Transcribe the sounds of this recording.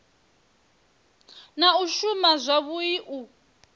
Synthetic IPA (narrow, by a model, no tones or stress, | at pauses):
nauʃumazʷaβuiʔu